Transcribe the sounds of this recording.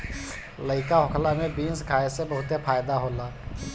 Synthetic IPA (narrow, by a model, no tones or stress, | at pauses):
ləɪkaɦʊkʰlamẽbiːnskʰaːesebəɦʊt̪epʰaːjd̪aɦoːlaː